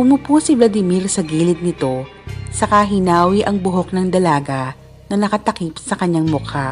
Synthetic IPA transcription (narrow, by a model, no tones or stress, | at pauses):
ʊmʊpuːsɪblɐd̪ɪmiɾsɐɡiːlɪd̪̚nɪt̪o̞ | sɐkaɦɪnaːwiʔɐŋbʊɦo̞k̚nɐŋd̪ɐlaːɡɐ | nɐnɐkɐt̪ɐkipsɐkɐɲːaŋmʊkʰa